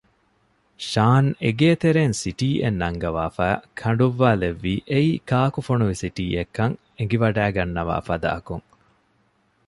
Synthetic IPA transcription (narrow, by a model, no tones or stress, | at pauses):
ʃaːneɡeːt̪eɾeːnsiʈiːʔenːɐŋɡɐʋaːfæːkʰɐɳɖuʋːaːleʋːiːʔeiːkaːkufonuʋisiʈiːekːɐŋ | eŋɡiʋɐɖæːɡɐnːɐʋa̰ːfɐd̪a̰ːɐkuŋ